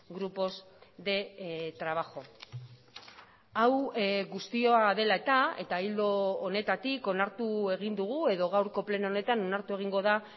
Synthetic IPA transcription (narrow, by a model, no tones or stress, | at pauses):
ɡɾupo̞z | ðe̞t̪ɾaβ̞axo̞ | awɣust̪io̞aðe̞lae̞t̪ae̞t̪aild̪o̞ːne̞t̪at̪iko̞naɾt̪ue̞ɣ̞ind̪uɣ̞ue̞ðo̞ɣ̞awɾko̞ple̞noone̞t̪ano̞naɾt̪ue̞ɣ̞iŋɡo̞ð̞a